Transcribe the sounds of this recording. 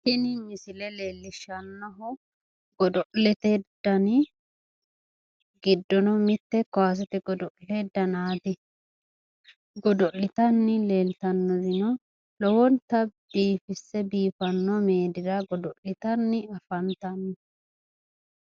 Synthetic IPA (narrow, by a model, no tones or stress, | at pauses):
tɪnɪmɪsɪlɛleːlːɪʃɐnːɔɦɔ | ɡɔd̪ɔʔlɛt̪ɛd̪̥ːɐnɪ | ɡɪd̪ːɔnɔmɪt̪ːɛkɔwaːs̬ɛt̪ɛɡɔd̪ɔʔled̪ːɐnaːd̪ɪ | ɡɔd̪ɔlːɪt̪ɐnːɪle̞ːlt̪ɐnːɔzɪnɔ | lɔwɔnt̪ɐb̪̥iːfɪsːɛbiːfɐnːɔmeːd̪ɪdɐɡɔd̪ɔlɪt̪ɐnːɪɐfɐnt̪ɐnːɪ